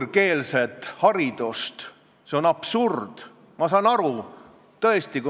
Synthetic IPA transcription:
ke̞ːlset̪ːˑhɑɾid̪̥ust̪ | se̞onɑb̥surd̪̥ | mɑsɑːnɑɾu | t̪ɤ̞est̪iku

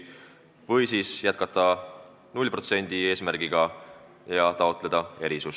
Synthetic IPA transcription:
vɤjsiːsjæt̪̚kɑt̪ːˑɑ | nulʲpro̞t̪se̞nʲd̪̥ie̞ːsmæɾɡ̥iɡ̥ɑ | jɑt̪ɑo̞t̪ːˑle̞d̪̥ɑe̞ɾisus

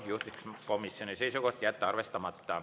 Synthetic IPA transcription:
juht̪ikskomisːioniseisokoht̪jæt̪ːæɑrʋest̪ɑmɑt̪ːɑː

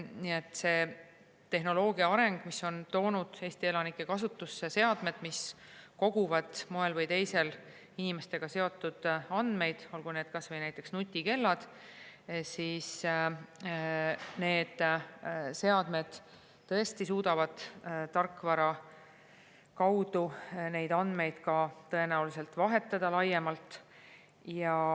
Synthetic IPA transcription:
niet̪ːˑse̞ | t̪ːe̞ɦno̞lo̞ːɡiɑɑɾe̞ŋɡ̥misːo̞nt̪o̞ːnud̪̥e̞ːst̪ie̞lɑnikːˑe̞kɑsut̪ːˑusːese̞ɑd̪̥me̞d̪̥misko̞ɡ̥uvɑd̪̥moe̞lvɤjt̪e̞jse̞l | inime̞st̪e̞ɡ̥ɑse̞o̞t̪ːˑud̪̥ɑnd̪̥me̞jd̪̥o̞lɡune̞ːd̪̥̚kɑsvɤjnæjt̪ːˑe̞ksnut̪ʲːˑike̞lːɑd̪̥ | siːs | ne̞ːd̪̥ | se̞ɑd̪̥me̞d̪̥ | t̪ːɤ̞e̞st̪isuːd̪̥ɑvɑd̪̥t̪ɑrkːˑvɑɾɑ | kɑwd̪une̞jd̪ɑnd̪me̞jd̪̥kɑt̪ɤ̞e̞næulise̞lt̪vɑɦe̞t̪ːˑɑd̪̥ɑlɑjːemɑlt̪ˑ | jɑ

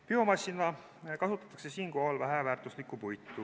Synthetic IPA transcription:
pio̞mɑsʲːinɑ | kɑsut̪ːˑɑ̥t̪ːˑɑ̥kse̞siːnko̞holvæɦevæːrt̪ːˑuslikːˑupujt̪ːˑu

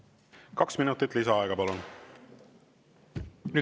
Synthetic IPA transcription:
kɑksminut̪ːˑit̪ːˑlisɑɑeɡ̥ɑpɑlun | ny

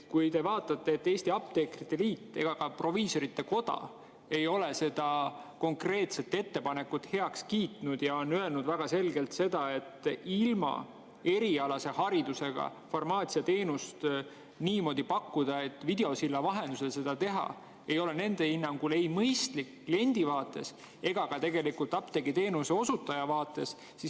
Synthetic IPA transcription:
kujt̪e̞vɑːt̪ːˑɑt̪ːe̞ːt̪ːeːst̪iɑp̚t̪e̞krit̪ːe̞liːt̪ːˑe̞̰ɡ̥ɑkɑpro̞viːso̞ɾit̪ːe̞ko̞d̪̥ɑ̰ | e̞jo̞lese̞d̪̥ɑko̞ŋkre̞ːt̪se̞t̪ːˑe̞t̪ːe̞pɑnekːˑut̪ːˑhe̞ɑkskiːt̪ˑnud̪̥jɑo̞nøe̞lnud̪væɡ̥ɑse̞lɡe̞lt̪se̞d̪̥ɑe̞t̪ːilmɑ̰ | e̞ɾiɑlɑse̞hɑɾid̪use̞ɡ̥ɑ̰formɑːt̪siɑt̪e̞ːnust̪ | niːmo̞ːd̪ipɑkːud̪̥ɑe̞t̪ːˑvid̪̥e̞o̞silːɑvɑɦe̞nd̪uselse̞d̪̥ɑt̪e̞ɦɑ̰ | e̞jo̞le̞ne̞nd̪̥e̞inːɑŋɡ̥ule̞jmɤjst̪liklienʲd̪̥ivɑːt̪ːˑe̞s | e̞ɡ̥ɑɡ̥ɑt̪e̞ɡe̞likult̪ːˑɑpt̪eɡit̪e̞ːnuse̞o̞sut̪ːˑɑjɑvɑːt̪ːˑe̞s | sis

